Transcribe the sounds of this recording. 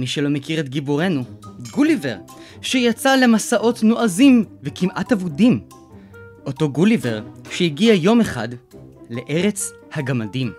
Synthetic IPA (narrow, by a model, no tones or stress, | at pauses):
miʃelo̞mekiʁet̪ɡibuʁe̞nuɡulive̞ʁ | ʃejat͡sale̞masaʔo̞tnoʔazimvekimʔatavudim | ʔo̞to̞ɡulive̞ʁʃeiɡiajo̞me̞χa̰dle̞ʔe̞ʁet͡s | haɡamadim